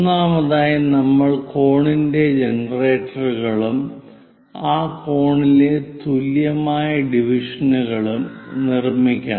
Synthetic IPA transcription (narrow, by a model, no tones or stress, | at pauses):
nːaːmɐðaːjɐnɐmːɐɭko̞ːɳinde̞d͡ʑenɐre̞ːtːɐrɣɐɭum | aːko̞ːɳilet̪uljɐmaːjɐɖiʋiʂɐnuɣɐɭumnirmikʲːa̰ː